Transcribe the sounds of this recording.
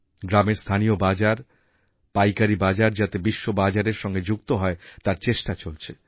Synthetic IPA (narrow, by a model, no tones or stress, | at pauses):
ɡɾameɾst̪ʰanijobad͡ʑaɾ | pajkaɾibad͡ʑaɾd͡ʑat̪ebiʃːobad͡ʑaɾeɾʃɔŋɡed͡ʑuk̚t̪oɦɔet̪aɾt͡ɕeʃʈat͡ɕolt͡ɕʰe